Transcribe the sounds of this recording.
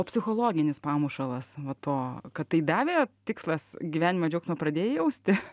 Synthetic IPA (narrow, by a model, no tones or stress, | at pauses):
oːpʲsʲɪxoːlˠoːɡʲɪnʲɪspɑːmuʃɐlˠɐsʋɐt̪oːkɐt̪tːɐɪd̪ɑːʋʲeːt̪ʲɪkslˠɐsɡʲiʋʲæːnʲɪmɐd͡ʒʲɛʊksnoɔpɾɐd̪ʲeːjɛjɛʊsʲt̪ʲɪ